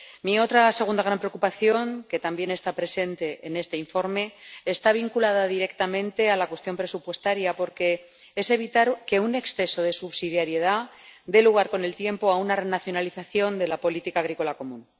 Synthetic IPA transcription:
mio̞t̪ɾase̞ɣund̪aɣ̞ɾampɾeo̞kupaθjo̞ŋke̞t̪ambje̞ne̞st̪apɾe̞se̞nt̪e̞ʔene̞st̪e̞iɱfo̞ɾme̞ːst̪aβ̞iŋkulaðaðiɾe̞kt̪amẽ̞nt̪e̞alakwe̞st̪jo̞mpɾe̞supwe̞st̪aɾjapo̞ɾke̞ | ese̞β̞it̪aɾke̞une̞ksθe̞so̞ð̞e̞suβsiðjaɾje̞ð̞a | d̪e̞luɣ̞aɾko̞ne̞lt̪je̞mpo̞aunarenaθjo̞naliθaθjo̞nd̪e̞lapo̞lit̪ikaːɣɾiko̞lako̞mũn

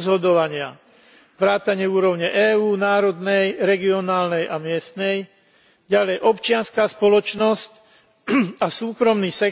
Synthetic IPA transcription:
zɦɔd̪ɔʋaɲɪa | ʋɾaːt̪aɲɪɛuːɾɔʊɲɛʔɛːuːnaːɾɔd̪nɛjɾɛɡiɔnaːlnɛjʔamɪɛst̪nɛj | ɟalɛjʔɔpt͡ʃɪanskaːspɔlɔt͡ʃnɔsc | asuːkɾɔmniːsɛ

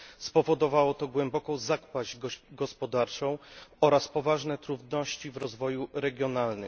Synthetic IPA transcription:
spɔvɔd̪ɔvawɔt̪ɔɡwɛmbɔkɔ̃w̃zakpaʑɡɡɔspɔd̪aɾt͡ʂɔ̃w̃ɔɾaspɔvaʐnɛt̪ɾuvd̪nɔɕt͡ɕivɾɔzvɔjuɾɛɡʲjɔnalnɘ̰m

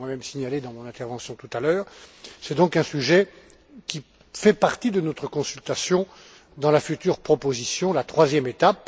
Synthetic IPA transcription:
wamɛmsiɲaled̪ɑ̃mɔ̃nɛ̃t̪ɛʁvɑ̃sjɔ̃t̪ut̪alœːʁsɛd̪ɔ̃kɛ̃syʒɛ | kʲi | fɛpaʁt̪id̪ənɔt̪χəkɔ̃sylt̪asjɔ̃ | d̪ɑ̃lafyt̪yːʁpχɔpozisjɔ̃lat̪χwazjɛmet̪ap̚

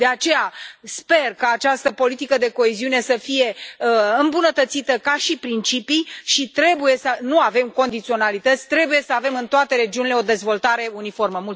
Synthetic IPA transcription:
d̪e̞at͡ʃe̞jaspe̞rkaːt͡ʃast̪əpo̞lit̪ikəd̪e̞ko̞eziune̞səfije̞əɨmbunət̪ət̪sit̪əkaʃipɾint͡ʃipijʃit̪ɾe̞buje̞sənuave̞mko̞nd̪it̪sio̞nalit̪ət̪sʲt̪ɾe̞buje̞səave̞mɨnt̪oat̪e̞ɾe̞d͡ʒiunileo̞d̪e̞zvo̞lt̪aɾe̞unifo̞rməmult̪

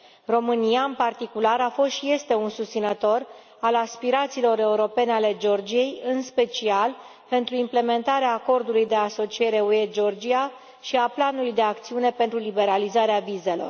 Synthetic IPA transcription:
ro̞mɨnijaɨmpart̪ikulaɾafo̞st̪ʃije̞st̪e̞unsust̪sinət̪o̞r | alaspiɾat̪siːlo̞ɾe̞uɾo̞pe̞neale̞d͡ʒo̞rd͡ʒije̞jɨnspe̞t͡ʃial | pe̞nt̪ɾuimple̞me̞nt̪aɾeaːko̞rd̪ulujd̪e̞aso̞t͡ʃie̞ɾe̞ue̞d͡ʒo̞rd͡ʒia | ʃiaplanulujd̪e̞ak̚t̪siune̞pe̞nt̪ɾulibe̞ɾalizaɾeavize̞lo̞̰r

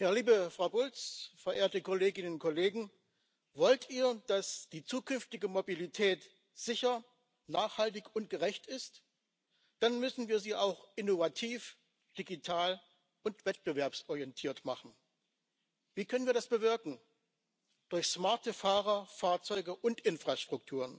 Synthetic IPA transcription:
jaːliːbəfʁ̥aʊbʊlt͡sfɛɐʔeːɐtəkoleːɡɪnənʊnt̚kʰɔleːɡŋ̩ | vɔltiːɐd̥asd̥iːt͡suːkʰʏnftɪɡəmobilitʰɛːt | z̥ɪçɐ | naːχhaltɪçʊnt̚ɡ̥əʁɛçtɪst | d̥anmʏsn̩viːɐziːʔaʊxʔɪnovatʰiːf | d̥iɡitʰaːl | ʊntv̥ɛt̚b̥əvɛɐpsʔɔʁjɛntʰiːɐtmaχn̩ | v̥iːkʰœnənviːɐdasb̥əvɪɐkŋ̩ | d̥ʊɐçsmaɐtəfaːʁɐfaːɐt͡sɔʏɡəʔʊntʔɪnfʁ̥aːʃtʁ̥ʊk̚tʰuːʁən

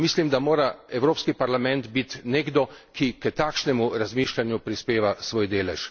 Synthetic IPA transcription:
mislimd̪amoːɾaɛwɾoːpskipaɾlamɛnd̪bit̪neːɡd̪ɔkikət̪akʃnɛmuɾazmiːʃlanjupɾispeːʋasʋoːjd̪eːlɛʃ

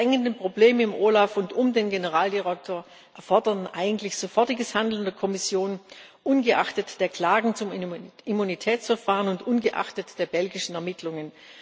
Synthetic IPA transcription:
ɛŋəndənpʁ̥obleːməɪmʔoːlafʊntʊmdeːnɡenəʁaːldiʁɛk̚tʰoːɐ | ʔɛɐfɔɐdɐtn̩ʔaɪɡŋ̩tlɪçz̥ofɔɐtɪɡəshandl̩ndeːɐkʰɔmɪsjoːn | ʔʊnɡəʔaχtətd̥eːɐkl̥aːɡŋ̩t͡sʊmimunitʰɛːt͡sfɛɐfaːʁənʊntʔʊnɡəʔa̰χtətd̥eːɐbɛlɡɪʃn̩ɛɐmɪtʰlʊŋən

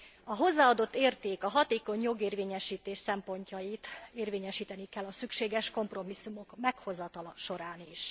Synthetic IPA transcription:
ɒɦo̞zːaːɒd̪o̞t̪ːeːrt̪eːkɒɦɒt̪eːko̞ɲjo̞ɡeːrvʋeːɲɛʃiːt̪eːʃsɛmpo̞ɲcɒjit̪eːrveːɲɛʃiːt̪ɛnikɛlːɒsykʃeːɡɛʃko̞mpro̞misːumo̞kmɛkho̞zɒt̪ɒlɒʃo̞ɾaːniʃ

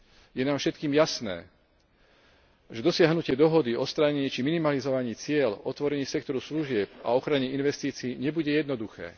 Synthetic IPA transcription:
jɛnaːmfʃɛt̪kiːmjasnɛ̰ː | ʒɛd̪ɔsɪaɦnucɪɛd̪ɔɦɔd̪iɔst̪ɾaɲɛiːt͡ʃiminimalizɔʋaɲiːt͡sɪɛlɔt̪ʋɔɾɛɲiːsɛkt̪ɔɾusluʒɪɛp̚a̰ɔxɾaɲɛinʋɛst̪iːt͡siːɲɛbuɟɛjɛd̪nɔd̪uxɛ̰ː

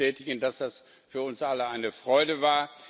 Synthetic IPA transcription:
ɛːtɪɡn̩dasd̥as | fyːɐʊnsʔaləaɪnəfʁ̥ɔʏdəvaːɐ

